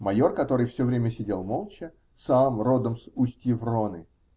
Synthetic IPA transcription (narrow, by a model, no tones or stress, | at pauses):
mɐjo̞rkɐt̪o̞ɾɨjfsʲɵvɾʲemʲəsʲɪdʲe̞lˠmolˠt͡ɕɪ | samrod̪əmsusʲtʲɪvronɨ